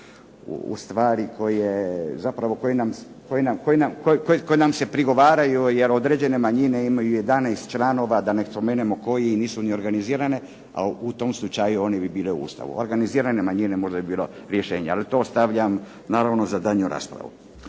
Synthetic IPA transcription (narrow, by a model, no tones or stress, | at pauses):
ṵṵst̪ʋaːɾiko̞jezapɾaʋo̞kojenam | kojenamkojenamkokoekojenamse̞pɾiɡo̞ʋaːɾajujeɾo̞d̪ɾe̞d͡ʑe̞ne̞maɲine̞imajujed̪anejst̪t͡ʃlˠaːno̞ːʋad̪anespomeːnemo̞ko̞jeiniːsunio̞ɾɡaniziːɾane̞ | a̰ut̪o̞mslˠut͡ʃajuo̞nebibiːleṵṵːst̪a̰ʋṵo̰ɾɡaniziːɾane̞maɲine̞mo̞ʒd̪abibiːlo̞ɾje̞ʃe̞ːɲealit̪o̞st̪aʋʎam | naːɾaʋno̞zad̪aɲuɾa̰ːspɾa̰ʋṵ